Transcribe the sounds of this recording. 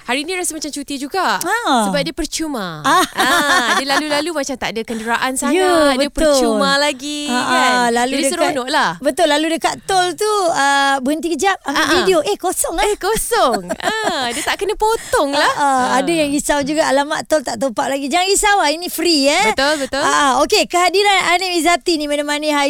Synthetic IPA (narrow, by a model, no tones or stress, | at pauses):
haɾinĩɾasəmat͡ʃamt͡ʃut̪id͡ʒuɡaʔasəbap̚diəpərt͡ʃumãa | dilalulalumat͡ʃamt̪aʔdəkəndəɾaʔansajuabəiətpəʊumalaɡiaʔalaluidəsəɾanɔʔlahbət̪ʊlːaludəkaʔt̪ɔlt̪uəbəənt̪ikəd͡ʒap̚amvidioʔehkosɔŋehkosɔŋədiət̪aʔkənə̃pot̪ɔŋlaʔaadajaŋɡisawd͡ʒuɡaʔalamaʔt̪ɔlt̪aʔt̪opaʔ̚laɡid͡ʒaŋaŋɡisawainĩfɾiəbət̪ʊlbət̪ʊaʔaokekəɦadiɾananimizat̪inĩmãnəmanĩɦa